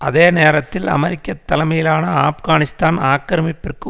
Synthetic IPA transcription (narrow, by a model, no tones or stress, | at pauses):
ɐðeːneːɾɐt̪ːɪlɐ̰mɛɾɪkʲːɐt̪ːɐlɐmɐjɪlaːnɐaːfɣaːnɪst̪aːnaːkːɐɾɐmɪpːɪrkɯ